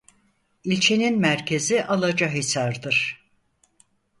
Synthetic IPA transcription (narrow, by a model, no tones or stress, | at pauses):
ilʲt͡ʃʰe̞ninmæɾcʰe̞ziʔalˠad͡ʒaɦisaɾd̪ɯɾ̥